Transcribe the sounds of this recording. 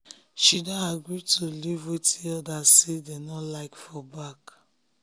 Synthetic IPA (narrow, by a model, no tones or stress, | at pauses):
ʃidaaɡɹitʰulivwetʰiɔdasedenɔlaɪkfɔbak